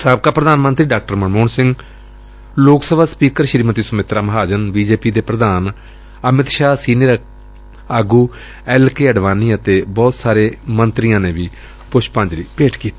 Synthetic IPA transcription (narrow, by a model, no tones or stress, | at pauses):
səb̚kaːpɾəd̪aːnmənt̪ɾiːɖaːk̚ʈəɾmənmoːnsɪ̃ŋɡ | loːksəbʱaːspiːkəɾʃɾiːmət̪iːsəmɪt̪ɾaːməɦaːd͡ʒənbiːd͡ʒeːpiːd̪eːpɾəd̪aːn | əmɪt̪ʃaːsiːneɾ | əɡuː | ɛːlkeːəɖʋaːniːət̪eːbɔːt̪saːɾeːmənt̪ɾɪjãːneːʋiː | pʊʃpãːɲd͡ʒɾiːpeːʈʰkiːt̪i̥